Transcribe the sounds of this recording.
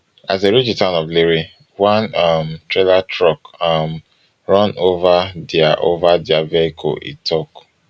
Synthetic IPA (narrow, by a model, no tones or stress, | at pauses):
azeɾid͡ʒitãʊ̃nɔvleɾi | wãnamtɹelatɹɔkam | ɹɔ̃novadiaʔovadɪaveikʰɔ̰ḭtʰɔk